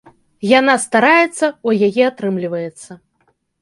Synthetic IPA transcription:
janast̪aɾajɛt̪sːɐɐjajɛat̪ɾɨmlʲivɐjɛt̪sːɐ

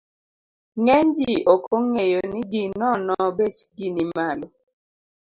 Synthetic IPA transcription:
ŋɛnd͡ʒiɔkʰoŋejoniɡinɔnɔbet͡ʃɡinimalɔ

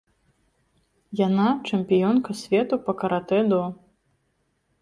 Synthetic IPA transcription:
janat͡ʂɛmʲpʲijɔnkɐsʲvʲɛt̪upɐkɐɾat̪ɛd̪ɔ

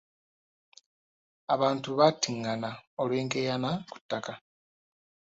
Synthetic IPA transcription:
aβaːntuβatːiŋːanaolweːŋɡejanaku̥tːaka

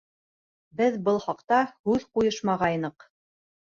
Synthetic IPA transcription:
bɘðbɤlˠχɑqt̪ɑhʉðqujɤʃmɑʁɑjnɤq

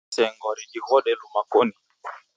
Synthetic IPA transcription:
sɛŋɡɔɾiɗihɔɗɛlumakoni

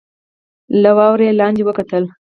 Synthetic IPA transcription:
lawɑwɾelɑːnd͡ʒiwəkat̪əl

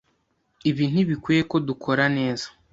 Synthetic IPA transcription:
iβiːn̥huβikwiːje̞ko̞dukʰo̞ɾane̞ːzḁ

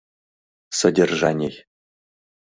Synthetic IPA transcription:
sɐdʲɛrʒanʲej

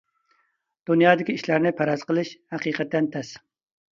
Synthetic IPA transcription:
d̪̥unjɑːd̪ɪkʲiiʃlæɾnɪpʰæɾɑz̥qəlˠɨʃhæqiːqʰɛt̪ːɛnt̪ʰɛs

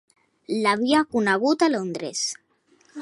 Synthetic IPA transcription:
laβiakunaɣut̪alond̪ɾes

